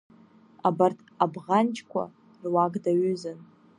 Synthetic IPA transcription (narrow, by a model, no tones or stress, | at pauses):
abartʰabʁant͡ʃʰʼkʷʰa̰ | rwaɡdaɥʏzɨn